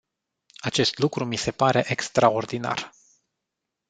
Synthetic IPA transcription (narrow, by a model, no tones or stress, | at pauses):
at͡ʃe̞st̪lukɾumise̞paɾe̞ʔekst̪ɾao̞rd̪ina̰r